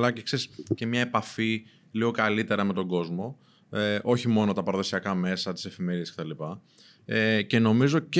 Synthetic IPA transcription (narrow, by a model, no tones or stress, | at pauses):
lɐcekse̞ɾisce̞mɲɐe̞pɐfi | liɣo̞kɐlit̪e̞ɾɐme̞t̪o̞ɡo̞zmo̞ | eʔo̞çimo̞no̞t̪ɐpɐɾɐðo̞siɐkɐme̞sɐt̪i̥se̞fime̞ɾieskcet̪ɐlipɐ | ece̞no̞mizo̞c